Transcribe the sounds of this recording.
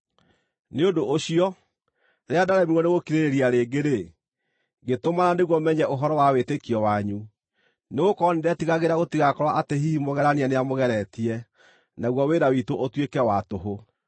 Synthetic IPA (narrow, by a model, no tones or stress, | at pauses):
neodoʔːɕiɔ | ɾeadaɾɛmiɣwɔneɣokiɾeɾeɾiaɾeːɡeɾe | ɡetomaɾaneɣwɔmɛɲɛʔoɦɔɾɔwawetekiɔwaɲu | neɣokɔɔnedeatiɣaɣeɾaɣotiɣakɔɾwaʔateɦimoɣɛɾaneaneamoɣɛɾɛtiɛ | naɣwɔweɾawitoʔotwekɛwatoɦo